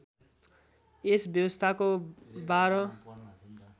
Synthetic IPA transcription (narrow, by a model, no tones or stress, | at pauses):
esbjʌwʌst̪ʰakobaɾʌ